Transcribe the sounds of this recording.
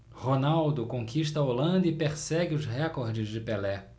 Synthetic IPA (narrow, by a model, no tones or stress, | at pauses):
honawd̪ʊkõkʰiʃt̪ɐolɐ̃nd̪ʊɪpeɾsɛɡɪʊzɦɛkoɾd͡ʒɪzd͡ʒɪpelɛ